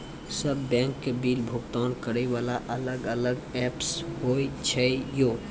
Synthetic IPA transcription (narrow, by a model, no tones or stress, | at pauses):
səbːɛ̃ːŋkːebiːlbʱʊkt̪aːnkəɾeʋaːlaʔələɡələɡɛːpshoːit͡ʃʰɛjoː